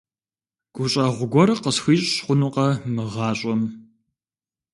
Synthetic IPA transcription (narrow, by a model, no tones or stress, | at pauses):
ɡ̥ʷʊɕʼɐːʁʷʊɡʷɔɾɨqəsxiːɕʼɕχʷʊnuqɐmɨʁɑːɕʼɐm